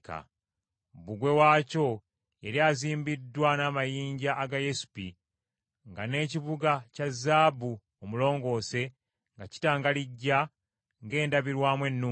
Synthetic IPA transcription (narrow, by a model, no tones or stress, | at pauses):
ka̰ | βuɡwe̞waːco̞ | eɾiaziːmbidːwanamajiːɲɟaʔːɡajesu̥pi | ŋɡane̞ːciβuɡacazːaːbu | omulo̞ːŋɡo̞ːse̞ | ŋɡaci̥taːŋɡaliɟːa | ŋɡe̞ːndaβiɾwaːmwe̞nːuː